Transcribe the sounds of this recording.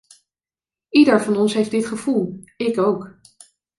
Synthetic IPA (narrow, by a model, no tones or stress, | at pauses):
idəɹvɑnɔnsɦejfdɪtχəv̥ulˠɪkowk